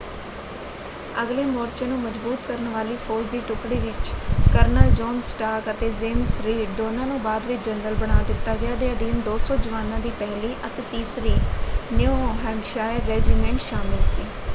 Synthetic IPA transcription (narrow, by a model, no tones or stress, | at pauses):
əɡleːmɔːɾt͡ʃẽːnũːməd͡ʒbuːt̪kəɾənʋaːliːpʰoːd͡ʒd̪iːʈʊkɽiːʋɪt͡ʃkəɾnaːd͡ʒɔːnsʈaːkət̪eːzeːmsɾiːʈd̪oːnãːnũːbaːd̪ʋɪt͡ʃd͡ʒənɾəlbəɽ̃aːd̪ɪt̪ːaːɡɪaːd̪eaːd̪iːnd̪oːsɔːd͡ʒəʋaːnãːd̪iːpɛɦliːʔət̪eːt̪iːsɾiːneooːɦɛ̃ːŋɡʃaːɪɾːɛːd͡ʒiːmɛ̃ːɳʈʃaːmɪlsiː